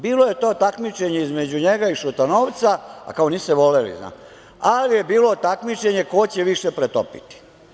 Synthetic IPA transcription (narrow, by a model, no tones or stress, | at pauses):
biːloje̞t̪o̞ːt̪akmit͡ʃe̞ɲeizmed͡ʑuɲe̞ɡaiʃut̪anoːʋt̪saa̰kaoniːsseʋo̞lelḭzna̰ː | alije̞biːlot̪akmit͡ʃe̞ɲe̞kot͡ɕeʋiʃepɾet̪o̰pḭt̪i̥